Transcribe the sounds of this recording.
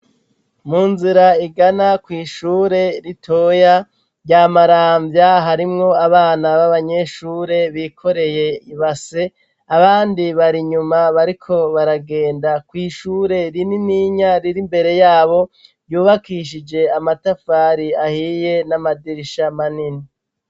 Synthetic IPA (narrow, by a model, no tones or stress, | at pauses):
muːnziɾaiɡanakwiːʃuːɾe̞ɾitʰo̞ja | ɾɟaːmaɾaːɱvjaɦaɾimŋo̞aβaːnaβaβaɲe̞ʃuːɾe̞βikʰo̞ɾe̞je̞iβase̞ | aβaːndiβaɾiɲumaβaɾikʰo̞βaɾaɡe̞ːndakwiːʃuːɾe̞ɾininiːɲaɾiɾimbe̞ɾe̞jaːβo̞ | juːβakiʃ̬id͡ʒe̞amatafaːɾiahiːje̞namadiɾiʃamanini